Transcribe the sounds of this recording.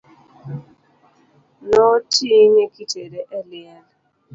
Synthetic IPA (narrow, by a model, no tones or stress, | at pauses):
nɔtinekiteɾeʔelɪala